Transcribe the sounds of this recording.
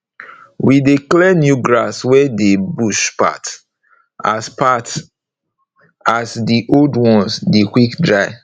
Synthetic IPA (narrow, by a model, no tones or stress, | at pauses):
wideklɛnjuɡɹaswɛdebuʃpa̰t | aspat | asdiʔoldwɔ̃nsdekwikdɹaɪ